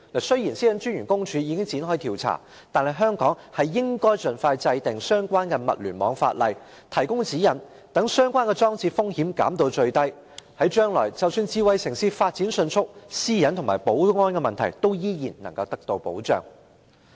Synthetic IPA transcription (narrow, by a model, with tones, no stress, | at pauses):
lɐ˨˩sɵ˥ɥjiː˨˩nsiː˥jɐ˨˥nt͡ʃy˥njyː˨˩nkʊ˥ŋt͡ʃʰyː˨˧jiː˨˧kɪ˥ŋt͡siː˨˥nɦɔː˥jt̪ʰiː˨˩wt͡sʰa̰ː˨˩ | t̪aː˨nhɐ˨˩jɦœː˥ŋkɔː˨˥ŋhɐ˨jːɪ˥ŋkɔː˥jt͡sɵ˨nfaː˧jt͡sɐ˧jt̪ɪ˨˩ŋsœː˥ŋkʷaː˥nkɛː˧mɐ̰˨t̚lyː˨˩mɔ̰ː˨˧˥ŋfa̰ː˧t̚lɐ̰˨˧j | t̪ʰɐ˨˩jkʊ˥ŋt͡siː˨˥jɐ˨˩n | t̪ɐ˨˥ŋsœː˥ŋkʷaː˥nkɛ˧t͡sɔː˥ŋt͡siː˧fʊ˥ŋhiː˨˥mka̰ː˨˥mt̪o˧wt͡ʃɵ˧ɥt̪ɐ˥j | hɐ˨˥jt͡ʃœː˥ŋlɔ̰ː˨˩jt͡sɐ˨wsyː˧nt͡siː˧wɐ˨˧jsɪ˨˩ŋsiː˧tfaː˧t̚t͡siː˨˥nsɵ˧nt͡sʰʊ˥k̚siː˥jɐ˨˥nt̪ʰʊ˨˩maː˨˩jpo˨˥wʊ˥ŋɔː˥nkɛ˧mɐ˨nt̪ʰɐ˨˩jt̪o˥wjiː˥jiː˨˩nnɐ˨˩ŋkɐ˧wt̪ɐ˥k̚t̪o˧wpo̰˨˥wt͡ʃœ̰ː˨˩ŋ